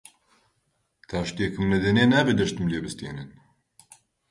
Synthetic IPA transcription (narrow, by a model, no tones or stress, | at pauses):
t̪ʰaːʃt̪ekʰɨmnɛd̪ɛneːnaːbed̪ɐʃt̪ɨmleːbɨst̪ḛːnɨn